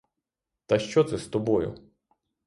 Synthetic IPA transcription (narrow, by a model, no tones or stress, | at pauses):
t̪ɐʃt͡ʃɔt̪sɛst̪ɔbɔjʊ̰